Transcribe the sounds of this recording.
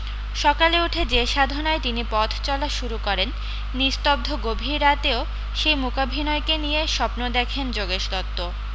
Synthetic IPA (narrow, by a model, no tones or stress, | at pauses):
ʃɔkaleuʈʰed͡ʑeʃad̪ʱonɔet̪inipɔt̪ʰt͡ɕɔlaʃuɾukɔɾenː | ist̪ob̚d̪ʱoɡobʱiɾːat̪eo | ʃejmukabʱinɔekenijeʃɔpnod̪ɛkʰend͡ʑoɡeʃlɔt̪ːo